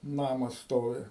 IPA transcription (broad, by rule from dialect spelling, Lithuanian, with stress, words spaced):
ˈnɑːmɐs ˈstoːʋʲɪ